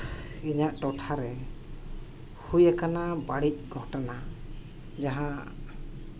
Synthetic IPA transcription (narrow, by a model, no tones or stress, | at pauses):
iɲaʔʈɔʈʰaɾɛ | hujakanabaɽic̚ˀɡʱɔʈɔna | d͡ʒaɦã